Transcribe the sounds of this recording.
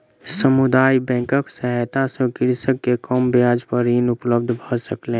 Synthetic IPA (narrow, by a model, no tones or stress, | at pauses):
səmʊd̪aːibɛ̃ːŋkəksəɦɛt̪asõkɪɾsəkːekɔmbjaːd͡ʒpəɾiːnʊpləb̚d̪ʱbʱosəklẽ